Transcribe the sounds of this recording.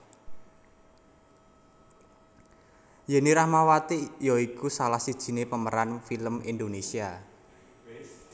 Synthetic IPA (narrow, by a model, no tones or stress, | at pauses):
jɛniɾahmawat̪ijɔikusalahsid̥ʒ̥i̤nepəməɾanfiləmind̪onesia